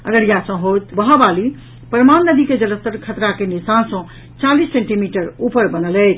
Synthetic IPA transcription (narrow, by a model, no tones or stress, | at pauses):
ə̰ɡəɾjasə̃ɦot̪bəɦabali | pəɾmanːəd̪iked͡ʒələst̪əɾkʰət̪ɾakenisansə̃ | t͡ʃalisːẽɳʈimiʈəɾupəɾbənəlɛt̪ʰ